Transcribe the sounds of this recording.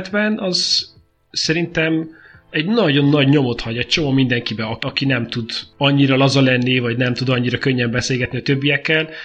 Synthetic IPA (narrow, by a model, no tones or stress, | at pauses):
d̪bɛnʔɒz | sɛɾint̪ɛm | ɛɟnɒɟo̞nːɒɟɲo̞mo̞t̪hɒɟɛct͡ʃo̞momind̪ɛŋkibɛɒɒkinɛmt̪ud̪ɒɲːiɾɒlɒzɒlɛnːivɒɟnɛmt̪ud̪ɒɲːiɾɒkøɲːɛmbɛseːlɡɛt̪niɒt̪ø̞bːijɛkːɛl